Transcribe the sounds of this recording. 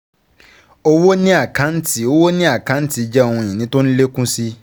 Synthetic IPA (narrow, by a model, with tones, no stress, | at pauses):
o˦wo˦nĩ˦a˦˨kã˨˦n̩˦ti˨o˦wo˦nĩ˦a˦˨kã˨˦n̩˦ti˦˧˦d͡ʒɛ˦o˧wɔ̃˧˨ĩ˨nĩ˨˦to˦n̩˦le˦kũ˦si˦